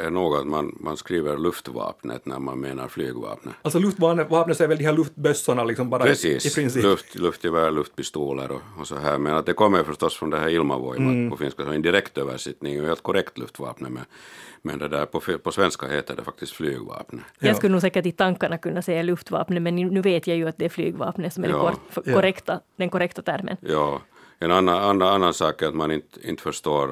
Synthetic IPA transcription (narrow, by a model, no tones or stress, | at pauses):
ɛɳoːɡat̪manmanskɾiːvəɾlɵft̪vɑ̰ːpnə̰t̪næɾma̰nmeːna̰ɾflyːɡvɑ̰ːpnə̰altsɔlʉft̪ʋɑːnəvɑːpnət̪æɾʋɛld̪ɪhælɵft̪bœsːaɳalɪksɔmbɑːɾpɾɛsiːsɾɪslɵft̪lɵft̪ɛbɑɾlɵft̪̚pɪst̪oːləɾɔɔsɔɦæːɾmɛnat̪̚d̪ɛkʰɔmːəɾfœʂt̪ɔsːfɾɔnd̪ɛhæːɾɪlma̰vɔjmaɔfɪnskasɔmɛnd̪ɪɾɛkt̪øːvə̰ʂɛt̪nɪŋheːlt̪̚kʰɔɾɛkt̪lɵft̪ʋɑ̰ːpnəmɛ̰nmɛ̰nd̪ɛd̪æːɾpʰɔfpʰɔsʋɛnska̰heːt̪əɖɛfḁkt̪ɪst̪flyːɡvɑ̰ːpnəjɑːsklːnuːɡsɛːkːəʈɪt̪ɑŋkːaɳakɵnːɑsɛjːalʉft̪ʋɑ̰ːpnəmɛnnːʉːveːt̪jɑjɵɑt̪̚d̪ɛæɾfly̰ːɡvɑ̰ːpnəsɔmækɔɾɛkt̪ad̪ɛnkɔɾɛkt̪at̪ʰæɾmə̰njɑː | ɛnanːaanːaanːansɑːkat̪manɪnt̪ɪ̰nt̪fœʂt̪oːɾ